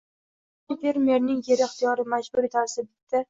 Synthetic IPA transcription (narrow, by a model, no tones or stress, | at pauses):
nfe̞ɾmʲe̞ɾnɪŋje̞ɾɪχt̪ʰijɒɾɪmad͡ʒbʊɾet̪ʰaɾsɪbɪt̪ʰːa